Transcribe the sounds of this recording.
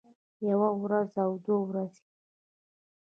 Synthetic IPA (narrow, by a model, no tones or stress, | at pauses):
jawaɾazawd̪owɾazi